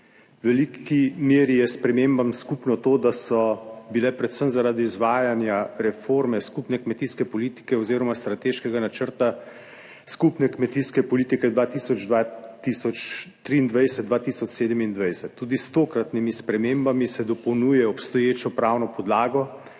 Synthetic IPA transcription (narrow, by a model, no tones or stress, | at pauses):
ʋɛlikimeːɾijɛspɾɛmembamskupnɔt̪oːd̪asɔbilɛpɾɛt̪səmzaɾaːd̪iːzʋaːjanjaɾɛfoɾmɛskupnɛkmɛt̪iskɛpɔliːt̪i̥kɛɔziːɾɔmast̪ɾat̪eːʃkɛɡanat͡ʃəɾt̪a | skupnɛkmɛt̪iskɛpɔliːt̪ikɛd̪ʋat̪isɔd͡ʒd̪ʋat̪isɔt͡ʃt̪ɾiːnd̪ʋajsɛt̪̚d̪ʋat̪iːsɔt͡ʃseːd̪əmind̪ʋajsɛt̪ʰːuːd̪ist̪oːkɾat̪nimispɾɛmeːmbamisɛd̪ɔpɔwnuːjɛɔpst̪ɔjeːt͡ʃɔpɾaːwnɔpɔd̪laːɡɔ